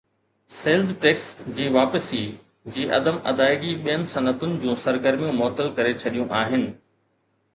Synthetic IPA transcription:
seːlzʈeːksd͡ʑiːʋaːpəsi | d͡ʑiːʔɐ̰d̪əmɐ̰d̪aːɪɡiɓijənɪ̆sɐnət̪ʊnɪ̆d͡ʑũːsɐɾɡəɾmijũmɔːt̪əlkɐɾet͡ɕʰɐɗijũʔaːɦɪnɪ̆

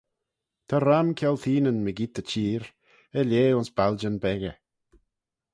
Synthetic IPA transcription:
t̪ʰaɾamkʰɛlθiːnənməɡit̪ət͡ʃiːɾ | əljeːʊnsb̥ald͡ʒənbɛɣə

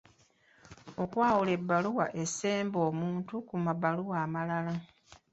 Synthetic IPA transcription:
o̞kwaːwule̞bːaluwa̰ʔe̞se̞ːmbo̞ːmuːntukumabaluwaːmalala

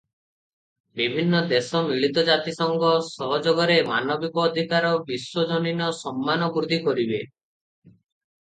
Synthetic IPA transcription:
bibʱinːɔd̪esɔmiɭit̪ɔd͡ʒat̪isɔŋɡɔsɔɦɔd͡ʒoɡɔɾemanɔbikɔːd̪ʱikaɾɔbiswɔd͡ʒɔninɔsɔmːanɔbuɾd̪ʱikɔɾibe

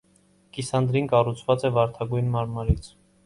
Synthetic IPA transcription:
kisɑnd̪ɾinkɑrut͡sʰvɑt͡sɛvɑɾt̪ʰɑɡujnmɑɾmɑɾit͡sʰ

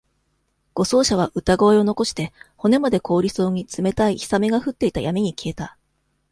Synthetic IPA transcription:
ɡ̥o̞so̞ːɕaβ̞aʔɯ̟t̪aɡoeo̞no̞ko̞ɕi̥t̪e̞ho̞ne̞mad̪e̞ko̞ːɾʲiso̞ːɲ̟it͡sɨme̞t̪aiçi̥same̞ɡaɸɯ̟t̪ːe̞it̪ajamʲeɲ̟ikʲie̞t̪a

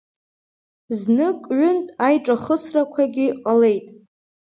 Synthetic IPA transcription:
znɨkʼɥʊntʼajʈ͡ʂʼaχəsrakʷʰaɡʲɪqʼale̞jtʼ

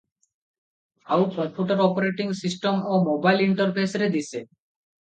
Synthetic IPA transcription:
awkɾɔmpʰjuʈoɾɔpoɾeʈiŋsisʈomomobajliɳʈoɾpʰesɾed̪isʰe

